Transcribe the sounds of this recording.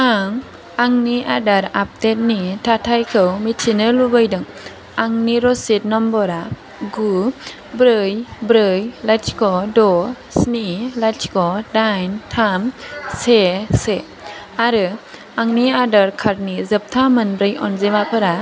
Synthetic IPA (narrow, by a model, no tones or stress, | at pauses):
aŋ | aŋniʔadaɾap̚tet̚nitʰatʰajkʰɯwmitʰinɯlubɯjdɯŋ | aŋniɾɔsit̚nɔmbɔɾa | ɡu | bɾɯjbɾɯjlajt͡ʃkɔdɔ | snilat͡ʃkɔdajntʰamsese | aɾɯ | aŋniadaɾkʰaɾnizɯp̚tʰamɯnbɾɯjɔnzemapʰɯɾa